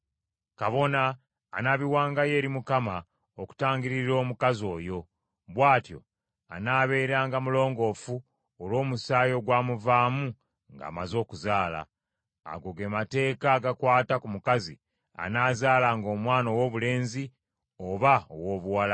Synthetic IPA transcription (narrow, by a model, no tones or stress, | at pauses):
kaβo̞naː | naβiwaːŋɡaje̞ːɾimukama | oku̥taːŋɡiɾiɾo̞ːmukazo̞ːjo̞ | βwaːtjo̞̰ | a̰naːβe̞ːɾaːŋɡamulo̞ːŋɡo̞fu | olwo̞ːmusaːjo̞ɡwaːmuvaːmu | ŋɡa̰ːmazo̞ːkuzaːla̰ː | ɡo̞ɡe̞mate̞ːkaːɡakwaːtakumukazi | a̰naːzaːlaŋɡo̞ːmwaːno̞wo̞βule̞ːnzi | oβao̰wo̞ːβuwala